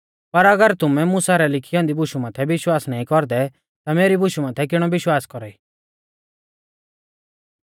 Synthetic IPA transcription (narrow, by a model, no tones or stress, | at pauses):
pɐɾɐɡəɾt̪ʊmɛmʊsaɾɛlɪkʰijɔ̃ːnd̪ibʊʃumaːt̪ʰɛʋɪʃwaːsnaːĩkɔɾd̪ɛ | t̪ameːɾibʊʃumaːt̪ʰɛk̬ɪɽ̃ɔbɪʃwaːskɔɾaiː